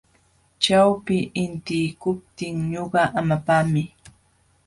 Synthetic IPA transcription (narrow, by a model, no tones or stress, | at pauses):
t͡ʃawpɪʔɪnt̪ɪjkʊp̚t̪ɪŋɲoɢɑʔamapamɪ